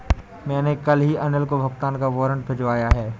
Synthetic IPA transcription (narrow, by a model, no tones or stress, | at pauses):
mɛ̃ːnekɐlɦiʔɐnəlkobʱɐɡt̪aːnkaʋɔːɾə̃ɳʈ̚bʱɪd͡ʒʋaːjaɦɛː